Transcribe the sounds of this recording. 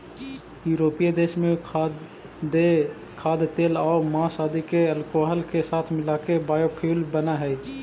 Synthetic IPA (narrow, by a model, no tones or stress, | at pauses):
juːɾoːpijed̪eːʃmẽ | kʰaːd̪t̪eːlɔːɾmãːsaːd̪ikeɐlkoːɦəlkesaːt̪ʰmɪlaːkebaːjopʰiːlbənaɦɛ